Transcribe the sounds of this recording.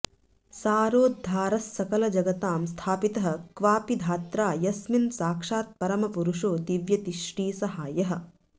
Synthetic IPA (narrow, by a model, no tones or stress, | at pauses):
saːɾoːd̪ʱːaːɾɐsːɐkɐlɐd͡ʒɐɡɐt̪aːmst̪ʰaːpit̪ɐɦɐ̆kʋaːpid̪ʱaːt̪ɾaːjɐsminsaːkʂaːt̪̚pɐɾɐmɐpuɾuʂoːd̪iʋjɐt̪iʃʈiːsɐɦaːjɐɦɐ̆